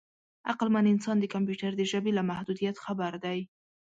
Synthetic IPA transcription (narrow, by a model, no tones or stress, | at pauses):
aqlmanɪnsɑnd̪əkamp̬juʈaɾd̪əʒəbelamahd̪ud̪ijat̪xabaɾd̪aj